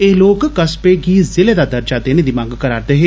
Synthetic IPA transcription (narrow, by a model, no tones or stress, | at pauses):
eːloːkkəspeːɡiːzɪleːd̪aːd̪əɾd͡ʒaːd̪eːneːd̪iːmãːŋɡkəɾaːɾd̪eɦeː